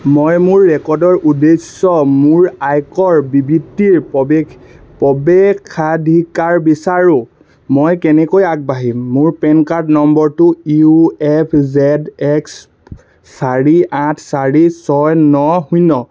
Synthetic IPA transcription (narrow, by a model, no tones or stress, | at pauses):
mojmʊɹːɛkɔɹdɔɹʔudesɔmuɹajkɔɹbibitːiɹ | pɔbɛkʰːadʱikaɹbisaɹʊ̃ | mojkɛnɛkojak̚baɦimːʊɹpɛnkaɹtnɔmbɔɹtʊiuɛpʰzɛdɛks | saɹiãtʰsaɹisɔjnɔhujnɔ